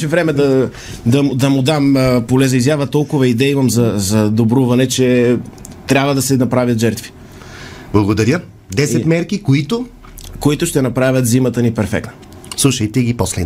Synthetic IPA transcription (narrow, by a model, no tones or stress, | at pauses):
ʃɛvɾɛmɛd̪ɐ | d̪ɐmd̪ɐmʊd̪ampolɛzɐizjavət̪ɔlˠkʊvɐid̪ɛimɐmzɐzɐd̪obɾuvɐnɛt͡ʃɛ | t̪ɾʲabvɐd̪ɐsɛnɐpɾavʲjɐt̪ʒɛɾt̪vi̥ | blˠɐɡod̪ɐɾjə | d̪ɛsɛt̪mɛɾkikoit̪ʊ | koit̪ʊʃt̪ɛnɐpɾavʲjɐt̪zimɐt̪ənipɛɾfɛ̰k̚nə | slˠuʃɐjt̪ɛɡʲiposlɛ̰